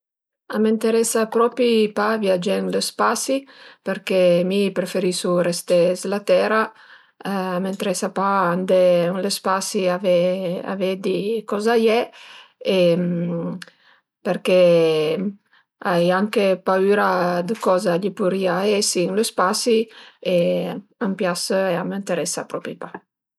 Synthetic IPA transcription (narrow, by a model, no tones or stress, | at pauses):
amint̪eɾɛsapɾɔpipaviad͡ʒɛŋlospasipeɾkemipɾefeɾisuɾest̪ɛslat̪ɛɾa | ament̪ɾɛsapaand̪ɛŋləspasiavɛa̰vɛd̪ikɔzajɛ | em | peɾke | ajaŋkepayɾad̪əkɔzaʎipuɾiaɛsiːŋlospasieampjasəeamənt̪eɾɛsapɾɔpɾipa